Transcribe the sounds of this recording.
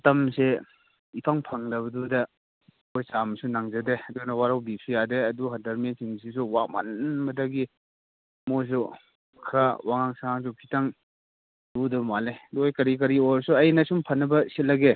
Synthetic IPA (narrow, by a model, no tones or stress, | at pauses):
tɐmse | ipʰaŋpʰaŋdɐbɐdudɐ | ojsamsunaŋzɐdeɐdunɐwaɾawbisʰujadeɐduɦadaɾmensiŋs̬is̬uwama̰nmɐdaɡi | mojs̬u | kʰɾawaŋaŋsaŋs̬upʰitaŋ | dudɐbmaleduojkɐɾik̬ɐɾiɔɾsuɐjnɐsumpʰɐnːɐbɐset̚lɐɡe